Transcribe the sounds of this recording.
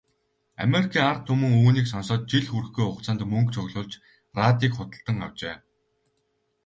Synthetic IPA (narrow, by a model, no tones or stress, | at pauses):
a̰meɾikʰiːŋart̪ʰːɵmɵ̆ŋuːniːksɔnsɔːt̪̚t͡ɕiɮxuɾɘ̆xɡujʊqt͡săːnt̪mɵŋkt͡ɕʰʊɣɮʊːɮt͡ɕ | raːt̪iːkχʊt̪ə̆ɬt̪ə̆ŋa̰w̥t͡ɕeː